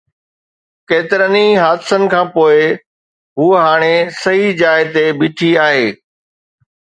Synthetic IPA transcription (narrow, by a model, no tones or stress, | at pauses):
keːt̪ɪɾəniɦaːd̪ɪsənɪ̆kʰãːpoːɪ | ɦuːɦaːɽ̃esɐɦid͡ʑaːɪɦt̪ebɪʈʰiaːɦeː